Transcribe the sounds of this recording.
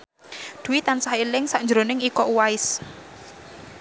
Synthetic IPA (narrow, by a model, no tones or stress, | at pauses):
d̪̥ṳwit̪ansahilɪŋsaʔɲd͡ʒɾonɪŋikɔʔuwaɪs